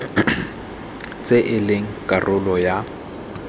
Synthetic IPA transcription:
t͡sʼeʔɪlɪŋ̩kʼarʔʊlɔja

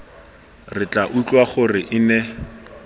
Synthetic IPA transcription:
rɪt͡ɬʼaʔut͡ɬʼwaχʊrɪʔɪnɛ

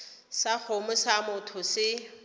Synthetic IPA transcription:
sak͡xʰomʊsamʊtʰʊsɪ

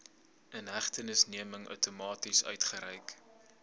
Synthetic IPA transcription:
ənɦæχtənəsniəməŋœ̰wtomɑːtisœ̰ɥtχəɾɛjk

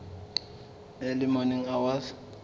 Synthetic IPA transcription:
elimoniŋawas

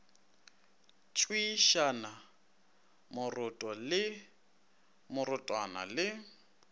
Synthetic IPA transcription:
t͡ʃʼwiʃana | mʊrʊtʼɔlɪ | mʊrʊtʼwana̰lɪ

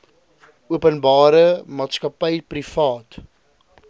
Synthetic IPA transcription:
uəpənbɑːɾəmɑːtskɐpəjprifɑːt

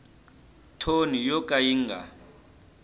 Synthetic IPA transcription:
tʰonijɔkʼajiːŋɡʱa̰

